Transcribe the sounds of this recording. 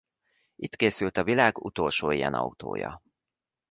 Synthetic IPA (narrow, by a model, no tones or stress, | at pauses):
it̪keːsylt̪ɒvilaːɡut̪olʃoːijɛnɒut̪o̰ːjɒ̰